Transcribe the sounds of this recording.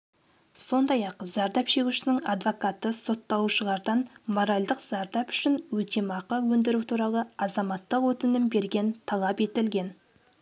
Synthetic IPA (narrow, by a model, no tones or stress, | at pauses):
so̞nd̪ɑjɑqzɑɾd̪ɑpʃe̞ɡʲuʃɪnɪŋɑd̪vokɑt̪əso̞t̪ːɑuʃəlˠɑɾd̪ɑnmo̞ɾalʲd̪əqz̥ɑɾd̪ɑpʏ̥ʃɪnwɵt̪emɑqɑwɵnd̪ɪɾuwt̪ʰuɾɑlˠəɑzɑmɑt̪ːəqwɵt̪ɪnɪmbe̞ɾɡʲe̞nt̪ʰɑlˠɑpe̞t̪ɪlɡʲe̞n